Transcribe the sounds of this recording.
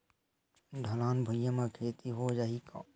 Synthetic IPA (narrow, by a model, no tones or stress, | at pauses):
dʱəlaːnbʱʊjamakʰeːt̪iɦod͡ʒaːɦika